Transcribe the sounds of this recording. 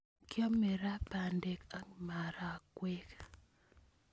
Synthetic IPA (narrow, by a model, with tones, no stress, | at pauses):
kjɔ˦me˨ɾa˦pa˨nde˨ka˦ŋma˨ɾa˦˨kwe˦ka